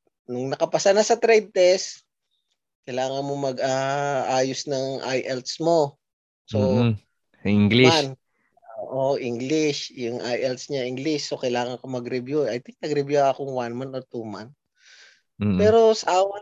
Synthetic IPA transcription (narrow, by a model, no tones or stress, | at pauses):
nʊŋnɐkɐpɐsɐnasɐt̪ɾɛjd̪̚t̪ɛs | kɐjlaːŋɐnmomɐɡʔaʔaːjosnɐŋʔa̰jʔɛlt̪smo̞ | so | iŋɡlian | oːʔoʔiŋɡlɪsjʊŋʔa̰jʔɛlt̪sɲaʔɪŋɡlɪsːo̞kɐjlaːŋɐnkomɐɡɾɪbjuʔɐjt̪ɪŋk̚nɐɡɾɪbjuɐkoŋwanmant̪ot̪umant̪̚ː | pɛːɾo̞sʔaːwɐ